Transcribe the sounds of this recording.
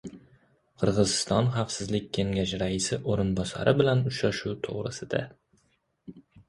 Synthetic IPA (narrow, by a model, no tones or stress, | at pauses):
qʰɨɾʁɨzɪst̪ɒnχafsɪzlɪk̚ʲːʰe̞ŋɡʲaʃɾaɪsɪʔoɾɪnbɒsa̰ɾɪbɪlanʊʃɾaʃut̪ʰo̰ʁɾɨsɪd̪a̰